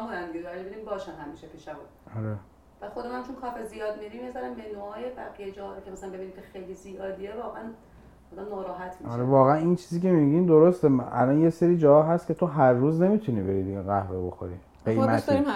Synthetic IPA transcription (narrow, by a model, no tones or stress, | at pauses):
buɾænd̪iɡed̪ɒɾiebinimbɒːʃænhæmiːʃepʰiːʃæbu | ɒɾe | bæxod̪emæmt͡ʃʰonkʰɒːfezijɒːd̪̚miɾimizæɾænbenoɒːjebæɣijed͡ʒɒːɒɾkʰʲemæsælænbe̞binimcʰexejlizijɒːd̪ievɒːɣeæn | ɒd̪æmnɒːɾɒːɦæt̪ʰmiɒʃɾevɒːɣeænint͡ʃʰiːziːcʲʰemiɡind̪oɾost̪eʔælɒnjeseɾiːd͡ʒɒːhɒːɦæst̪kʲʰe̞t̪ʰoɦæɾrːuːzne̞miːt̪ʰunibe̞ɾiːd̪iɡeɣæhvebo̞xo̰ɾḭ | ɢe̞jmæt̪ʰi